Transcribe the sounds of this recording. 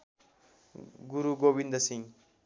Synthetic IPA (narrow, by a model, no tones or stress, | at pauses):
ɡuɾuɡobind̪ʌsĩŋ